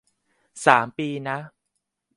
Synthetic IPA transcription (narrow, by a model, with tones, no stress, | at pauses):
saː˩˦mpiː˧na˦˥